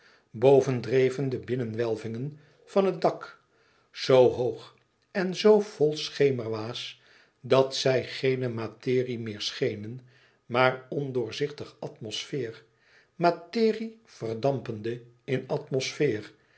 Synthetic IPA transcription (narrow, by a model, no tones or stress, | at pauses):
bowvəndrejvəndəbɪnənʋɛlˠvɪŋən | v̥ɑnɦət̚dɑk | z̥owɦowχ | ɛnzowv̥ɔlˠsχejməɹʋaːs | dɑtsɛjχejnəmatɪːrimɪːɹsχejnən | maːrɔndʊːɹzɪχtəχʔɑtmɔsfɪːr | matɪːriv̥ərdɑmpəndə | ɪnɑtmɔsfɪːr